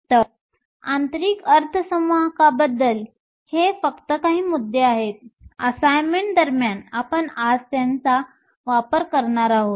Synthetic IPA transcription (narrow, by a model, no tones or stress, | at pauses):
t̪əɾ | ant̪əɾiːkəɾt̪ʰəsəmʋakabəd̪ːəl | hefəkt̪əkaɦiːmud̪ʱːeaɦet̪̚əsajmeɳʈ̚d̪əɾmjanapəɳad͡zt̪jant͡sa | ʋapəɾkəɾɳaɾaɦot̪